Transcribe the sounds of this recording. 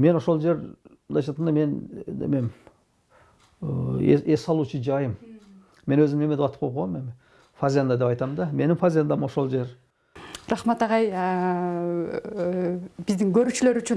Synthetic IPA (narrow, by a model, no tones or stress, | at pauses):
me̞no̞ʃo̞lˠd͡ʒe̞ɾblˠɑjʃɑt̪ːɑmd̪me̞nd̪ḛmem | ḛesɑlˠut͡ʃəd͡ʒɑjəm | me̞nwøzɪmnemed̪eɑt̪ə̥p̚ʰop̚ʰomem | fazʲand̪ad̪e̞pɑjt̪ɑmnd̪ɑme̞nɪmfazʲand̪amo̞ʃo̞lˠd͡ʒe̞ɾ | ɾɑχmat̪ɑʁɑj | b̥ɪzd̪ɪŋɡøɾyt͡ʃylø̞ɾyt͡ʃy